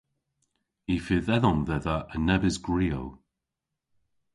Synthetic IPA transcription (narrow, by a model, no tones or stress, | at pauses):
ifɪðɛðɔmðɛðaʔənɛbɪzɡɹiːo̰w